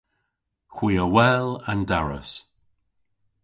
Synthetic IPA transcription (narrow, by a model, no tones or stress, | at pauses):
kʰwiːəwɛːlandaɹə̰s